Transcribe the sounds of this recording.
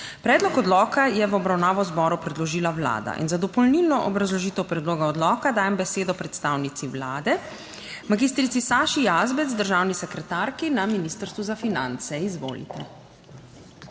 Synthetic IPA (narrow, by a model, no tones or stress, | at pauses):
pɾɛːd̪lɔkɔd̪lɔːkajɛʋɔbɾawnaːʋɔzbɔːɾupɾɛd̪lɔʒiːlawla̰ːd̪a̰ʔḭnzad̪ɔpɔlnilnɔʔɔbɾazlɔʒiːt̪əwpɾɛd̪loːɡaɔd̪lɔːkad̪aːjɛmbɛseːd̪ɔpɾɛt̪st̪aːwnit̪siwlaːd̪ɛ | maɡiːst̪ɾisisaːʃijazbɛt̪zd̪əɾʒaːwnisɛkɾɛt̪aɾkinaminist̪əɾst̪ʋuzafina̰nt̪sɛizʋo̰ːlḭt̪ɛ